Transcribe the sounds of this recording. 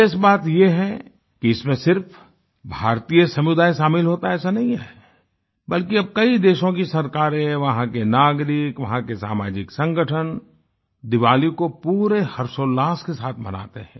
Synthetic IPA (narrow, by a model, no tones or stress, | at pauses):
ɪsbaːt̪jeɦɛ | kiɪsmẽsɪɾf | bʱaːɾt̪ijəsɐmʊd̪aːjsaːmɪlɦoːt̪aɛːsanɐɦĩɦɛ̰ | bɐlkiɐb̚kɐid̪eːʃõk̬isɐɾkaːɾẽʋɐɦãkenaːɡɾɪkʋɐɦãkesa̰ːma̰ːd͡ʒɪksɐ̃ŋɡəʈʰən | d̪ɪʋaːlikopuːɾehɐɾsoːlaːskesaːt̪ʰmɐ̰na̰ːt̪eɦɛ̰̃ː